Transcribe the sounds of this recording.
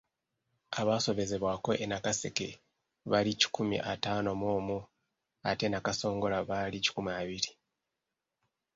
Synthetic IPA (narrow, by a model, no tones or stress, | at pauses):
aβaːso̞βe̞ze̞βwaːko̞ʔenakase̞ke̞̰ | βalici̥kumḭʔataːno̞moːmu | a̰te̞nakaso̞ːŋɡo̞laβalici̥kumiaβiɾi